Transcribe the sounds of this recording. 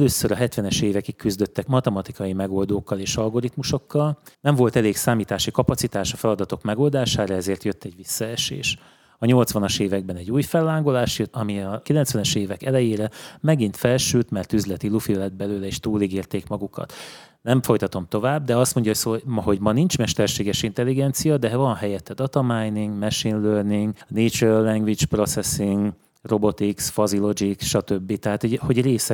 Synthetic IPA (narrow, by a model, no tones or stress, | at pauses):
løːsøɾɒɦɛt̪ʋɛnɛʃeːvɛkikːyzd̪ø̞t̪ːɛkmɒt̪ɛmɒt̪ikɒjimɛɡo̞ld̪oːkːɒleːʃɒlɡo̞ɾit̪muʃo̞kːɒlnɛɱvo̞lt̪ɛleːksaːmiːt̪aːʃikɒpɒsit̪aːʃɒfɛlɒd̪ɒt̪o̞kmɛɡo̞ːld̪aːʃaːɾɒɛzeːrt̪jøt̪ːɛɟʋisːɒɛʃḛːʃ | ɒɲo̞lt̪sʋɒnɒʃeːvɛɡ̚bɛnɛɟuːjfɛlːaːŋɡolaːʃjøt̪ːɒmiɒkilɛnt̪sʋɛnɛʃeːvɛkɛlɛjeːɾɛmɛɡin̪t̪fɛlʃylt̪mɛrt̪yzlɛt̪ilufilɛd̪̚bɛløːlɛeːʃt̪uːliɡiːrt̪eːkmɒɡukɒ̰t̪ | nɛɱfo̞jt̪ɒt̪o̞mt̪o̞vaːb̚d̪ɛɒst̪mo̞ɲɟɒɦocsoːmɒɦo̞ɟmɒnint͡ʃmɛʃt̪ɛrʃeːɡɛʃint̪ɛlːiɡɛnt̪sijɒd̪ɛvɒnɦɛjɛt̪ːɛd̪ɒt̪ɒmajniŋɡmɛʃinløːrniŋɡneːt͡ʃølɛŋɡvit͡ʃpro̞t̪sɛsiŋɡ | ro̞bo̞t̪iksfɒzilo̞d͡ʒiksʃɒt̪ø̞bːit̪ɛɦaːt̪hoɟho̞ɟreːsɛ